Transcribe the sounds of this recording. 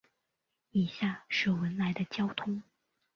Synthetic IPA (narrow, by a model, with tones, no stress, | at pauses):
i˨˩ɕja˥˩ʂɻ̩˥˩wə˧˥nla˧˥ɪd̪ə˧t͡ɕjɑ˥ʊt̪ʰʊ˥ŋ